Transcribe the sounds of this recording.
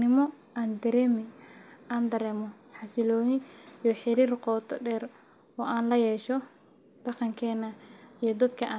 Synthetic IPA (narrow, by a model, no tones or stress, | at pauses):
nɪmɔ | aːnd̪ɐɾɛːmɪaːnd̪ɐɾɛːmɔ | ħɑsɪlɔːjɪijɔħɪɾiːrqɔːt̪ʰɔɖɛːr | ɔːʔaːnlɐjɛːʃɔ | d̪̥ɑqɑŋkʰɛːnɐijɞd̪ɐd̪kʰɐʔaː